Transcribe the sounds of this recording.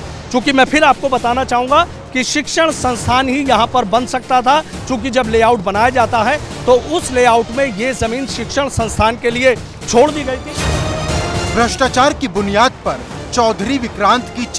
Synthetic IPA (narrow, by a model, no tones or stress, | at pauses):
t͡ʃjõːkimɛ̃ːpʰɪɾaːp̚kobɐt̪aːnat͡ʃaːɦũːŋɡa | kiʃɪkʃəɽ̃sɐ̃nst̪ʰaːnɦijɐɦãpɐɾbɐ̃nd̪sɐk̚t̪at̪ʰa | t͡ʃjõːk̬id͡ʒɐbleːaːʊʈbɐnaːjad͡ʒaːt̪aɦɛt̪oʔʊsleːaːʊʈmẽjezɐmiːnʃɪkʃəɽ̃sɐ̃nst̪ʰaːnkelie | t͡ʃʰoːɽd̪iːɡɐit̪ʰiː | bɾɐʃʈaːt͡ʃaːɾkibʊnijaːd̪̚pɐɾ | t͡ʃɔːd̪ʱɾiʋɪkɾãːnt̪kit͡ʃ